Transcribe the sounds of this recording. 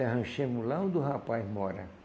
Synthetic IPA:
aɦɐ̃ʃẽmʊlaõd̪ʊɦapajzmɔɾɐ̰

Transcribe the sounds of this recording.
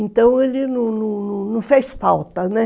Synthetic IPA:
nt̪ɐ̃w̃elɪnũnũnũnũfejspawt̪ɐnɛ

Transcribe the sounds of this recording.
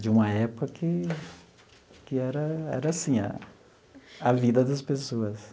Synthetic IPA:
d͡ʒɪũmɐɛpʊkɐkɪ | kɪɛɾɐɛ̰ɾɐːsĩɐ̰ | avid̪ɐd̪ɐspesoɐs

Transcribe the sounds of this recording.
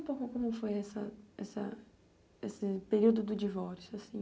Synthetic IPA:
ũpowkʊkõmʊfojɛsɐɛsɐ̰ | esɪpeɾiwd̪ʊd̪ʊd͡ʒivɔɾsjʊasĩ

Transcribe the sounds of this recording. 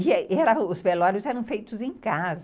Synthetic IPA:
ɪɛɾɐʊspelɔɾʊzɛɾɐ̃w̃fejt̪ʊzẽjkazɐ

